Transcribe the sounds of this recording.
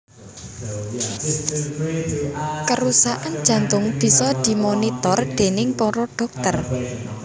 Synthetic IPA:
kəɾusaʔand̥ʒ̥ä̤nt̪ʊŋb̥i̤sɔd̪̥i̤monit̪ɔrd̪̥e̤nɪŋpɔɾɔɖ̥ɔ̤k̚t̪ər

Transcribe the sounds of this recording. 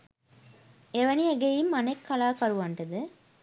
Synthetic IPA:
eʋɐniɐɡejimːɐnekːɐlaːkɐɾuʋɐɳʈɐd̪ɨ

